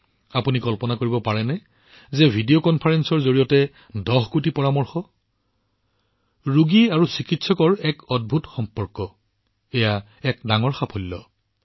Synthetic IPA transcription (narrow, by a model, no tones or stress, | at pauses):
apunikɔlpɔnakoɹibɔpaɹɛnɛ | zɛbʱidiokɔnpʰaɹɛnsɔɹzoɹijɔtɛ | dɔɦkutipɔɹamɔɹxɔ | ɹuɡiaɹusikitsɔkɔɹɛkɔd̚bʱutxɔmpɔɹkːɔ | ɛja | ɛk̚daŋɔɹxapʰolːɔ